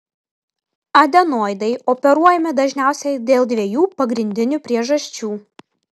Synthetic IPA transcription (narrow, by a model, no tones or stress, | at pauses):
ɐd̪ʲɛnoːjd̪ɐɪɔpʲɛɾuɔjɛmʲɪd̪ɐʒʲnʲæˑʊsʲɛɪd̪ʲeːlˠd̪ʲʋʲeɛjuːpɐɡɾʲɪnʲd̪ʲɪnʲʊpʲɾʲiɛʒɐsʲt͡ʃʲuː